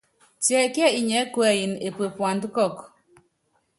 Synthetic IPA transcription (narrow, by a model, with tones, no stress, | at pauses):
t͡ʃjɛ˨kɛ˦i˨ɲɛ˨˦kwɛ˨i˨ne˨pwe˨pwa˨nd̪kɔ˦˨k